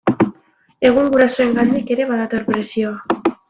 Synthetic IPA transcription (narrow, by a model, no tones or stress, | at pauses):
e̞ɣ̞uŋɡuɾaso̞e̞ŋɡand̪ike̞ɾe̞βaðat̪o̞ɾpɾe̞sio̞a